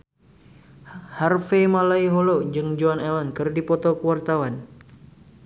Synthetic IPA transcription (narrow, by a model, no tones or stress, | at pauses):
harfemalaiɦolod͡ʒɨŋd͡ʒoanɛlɔnkɨrdipɔt̪ɔkəwart̪awan